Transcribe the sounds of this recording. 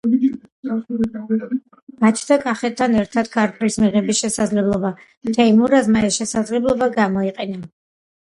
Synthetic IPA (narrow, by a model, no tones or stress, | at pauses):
ɡ̥at͡ʃʰd̪akʼaχɛt̪̚t̪ʰːanɛɾt̪ʰad̪̥̚kʰaɾt̪ʼɾismiʁɛbisʃɛsad̪zlɛblˠɔba | mt̪ʰɛimuɾazmaɛʃɛsad̪zlɛblˠɔbaɡamɔiqʼɛna